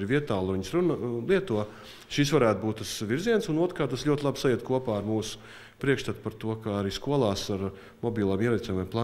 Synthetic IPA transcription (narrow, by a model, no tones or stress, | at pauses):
ɾʋiɛt̪aːlˠʋiɲsɾunlˠiɛt̪uɔ | ʃisʋaɾæːt̪̚buːt̪t̪ːasʋiɾziɛnsunuɔt̪ɾkaːt̪ːasʎʲuɔt̪ʲlˠabsajiɛt̪̚kuɔpaːaɾmuːsʊ̥ | pɾiɛkʃt̪at̪paɾt̪uɔkaaɾiːskuɔlˠaːsaɾ | mɔbʲiːlˠaːmiɛɾɛt̪ʲomʲeɛmplˠaː